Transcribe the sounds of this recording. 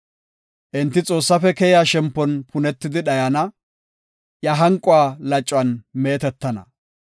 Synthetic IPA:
ʔɪnt̪ːɪt͡sʼo̞ːsːɐfɛkɛjjaʃɛmpːɔnpʰʊnɛt̪ːɪd̪ɪɗɐjɐnɐ | jɐɦɐŋkʼʊaːlɐt͡ʃʼːwɐnme̞ːt̪ɛt̪ːɐnɐ̰

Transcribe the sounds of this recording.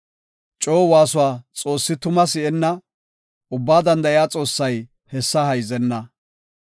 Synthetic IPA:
t͡ʃʼo̞ːwaːsʊwaːt͡sʼo̞ːsːɪt̪ʊmɐs̬ɪɛnːɐ | ʊbːaːd̪ɐnd̪ɐʔɪjaːt͡sʼo̞ːsːɐj | hɛsːɐhɐjzɛnːɐ

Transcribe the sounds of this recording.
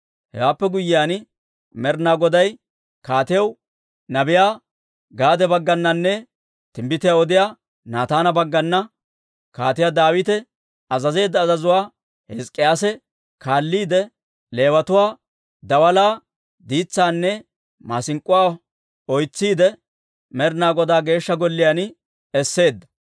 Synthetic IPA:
hɛ̰waːpːɛɡʊjːɪjaːn | mɛɾnaːɡɔd̪ɐj | kaːt̪ɪjɐw | nɐbɪjaː | ɡaːd̪ɛbɐɡːɐnːɐnːɛ | t̪ɪmbɪt̪ɪjaɔd̪ɪjaː | naːt̪aːnɐbɐɡːɐnːɐ | ka̰ːt̪ɪjaːd̪aːwɪt̪ɛ | ɐzɐze̞ːd̪ːɐːzɐzʊwaː | hɛskʼːɪjaːsɛ | kaːlːiːd̪ɛ | le̞ːwɐt̪ʊwaː | d̪ɐwɐlaː | d̪iːt͡sːaːnːɛ | maːsɪŋkʼːʊwaː | ɔjt͡sːiːd̪ɛ | mɛɾnaːɡɔd̪aːɡe̞ːʃːɐɡɔlːɪjan | ɛsːe̞ːd̪ːɐ̥

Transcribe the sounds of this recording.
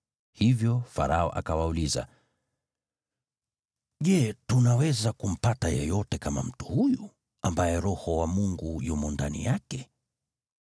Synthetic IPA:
hivjɔfaɾaɔʔakawauliza̰ | ʄɛtunawɛzakum̩patajɛjɔtɛkama̰m̩tu̥huju | ambajɛɾɔhɔwamuŋɡujumɔndanḭjakɛ

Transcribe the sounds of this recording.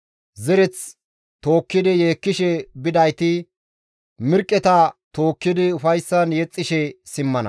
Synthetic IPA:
zɛɾɛt͡s | t̪o̞ːkːɪd̪ɪjeːkːɪʃɛbɪd̪ɐjt̪ɪ | mɪɾkʼːɛt̪ɐt̪oːkːɪd̪ɪʊfɐjsːɐnjɛt͡sʼːɪʃɛsɪmːɐnɐ̰

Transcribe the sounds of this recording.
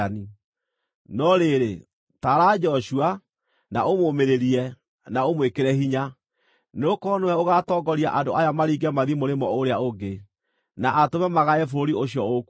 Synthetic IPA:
ni | nɔɾeɾe | taɾaːd͡ʒɔɕua | na̰ʔomomeɾeɾiɛ | naomwekeɾɛɦiɲa | neokɔnoɛoɣatɔːɡɔɾia̰ʔandoajamaɾiːɡɛmaðimoɾemɔoɾeaoɡe | naʔatomɛmaɣaɛfoɾoɾioɕjɔoku

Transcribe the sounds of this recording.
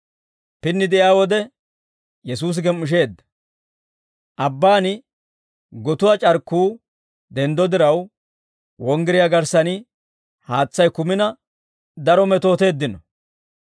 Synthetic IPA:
pɪnːɪd̪ɛʔjjaːwɔd̪ɛ | jɛsuːs̬ɡɛmːʊʃ̬e̞ːd̪ːɐ̥ | ʔɐbːaːnɪ | ɡɔt̪ʊwat͡ʃʼɐɾkːuː | d̪ɛnd̪ɔd̪ɪɾɐw | wɔŋɡɪɾɪjaɡɐɾsɐnɪ | haːt͡sːɐjkʊmɪnɐ | d̪ɐɾɔmɛt̪o̞ːt̪e̞ːd̪ːɪnɔ

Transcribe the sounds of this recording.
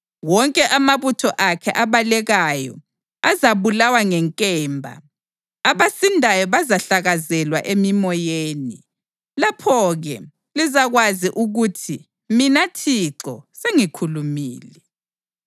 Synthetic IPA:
wɔŋkʼɛʔamaβutʰɔʔakʰɛʔaβalɛɣajɔ̰ | azaβulawaŋɛŋkʼɛːmbʱa̰ | aβasindʱajɔβazaɬaɣazɛlwaʔemimɔjeːni | lapʰɔɣɛ | lizaɣwaziʔuɣutʰi | minatʰiǁɔseŋikʰulumiːlɛ

